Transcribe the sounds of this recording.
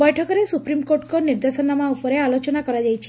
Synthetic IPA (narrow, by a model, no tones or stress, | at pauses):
bɔjʈʰɔkɔɾesupɾimkoɾʈkɔniɾd̪esɔnamaupɔɾealot͡ʃɔnakɔɾad͡ʒajt͡ʃʰe